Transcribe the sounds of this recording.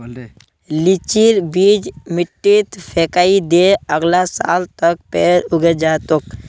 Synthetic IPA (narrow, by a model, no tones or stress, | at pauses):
lit͡ʃiɾbiːd͡ʒmɪʈːit̪pʰeːkaːid̪eəɡlasa̰ːlt̪ək̚peːɾʊɡed͡ʒaːt̪ok